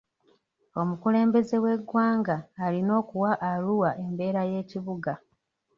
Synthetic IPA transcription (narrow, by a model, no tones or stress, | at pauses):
o̞mukule̞ːmbe̞ze̞we̞ɡwaːŋɡaːlino̞ːkuwaʔaluwaʔe̞mbe̞ːɾaje̞ːciβuɡa